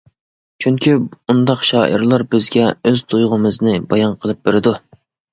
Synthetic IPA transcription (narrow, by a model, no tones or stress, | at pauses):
t͡ʃʰyŋkʲiund̪ɑqʃɑːʔiɾlˠɑɾbɪzɡʲɛøzt̪ʰujʁʊmɨznɪbɑjɑnqʰəlˠɨp̚beɾɪd̪u